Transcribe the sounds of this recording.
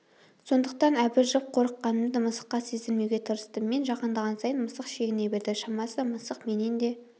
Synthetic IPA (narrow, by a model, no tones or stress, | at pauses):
so̞nd̪əq̚t̪ɑnæbɪɾʒəp̚qʰo̞ɾəqːɑnəmd̪əməsə̥qːɑse̞zɪlmewɡʲe̞t̪ʰəɾəst̪əmːe̞nʒɑqənd̪əʁɑnsɑjənməsəqʃe̞ɡʲɪne̞be̞ɾd̪ɪʃɑmɑsəməsəqme̞nend̪e̞